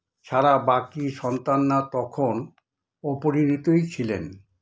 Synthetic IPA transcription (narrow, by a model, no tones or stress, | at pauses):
ʃʰaɾabakiʃɔnt̪anːat̪ɔkʰon | ɔpoɾinit̪ojt͡ɕʰilḛn